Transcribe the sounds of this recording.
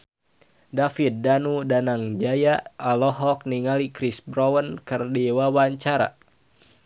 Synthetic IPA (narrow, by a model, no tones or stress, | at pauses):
dafit̪̚danudanaŋd͡ʒajaːlɔɦɔk̚niŋalikɾisbɾɔwənkərdɛwawaɲt͡ʃaɾa̰